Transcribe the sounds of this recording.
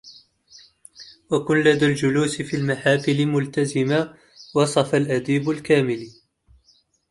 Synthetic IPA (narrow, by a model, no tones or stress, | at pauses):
wakʊnlad̪aːld͡ʒʊluːsɪfiːlmaħaːfɪlɪmʊlt̪azɪma | wɑsˤɑfalʔad̪iːbalkaːmɪl